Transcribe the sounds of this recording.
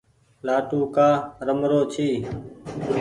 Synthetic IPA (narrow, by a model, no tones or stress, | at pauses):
laːʈuːkaːɾəmɾoːt͡ʃʰiː